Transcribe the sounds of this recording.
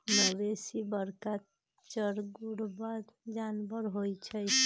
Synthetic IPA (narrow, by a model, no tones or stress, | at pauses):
nəbesibəɾka | t͡ʃəɾɡuɽbaɾd͡ʒanbəɾɦojt͡ʃʰəj